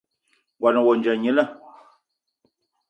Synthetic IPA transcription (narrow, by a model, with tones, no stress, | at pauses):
ɡwa˨nə˨wɔ˨nd͡ʒa˨ɲi˦la˦˨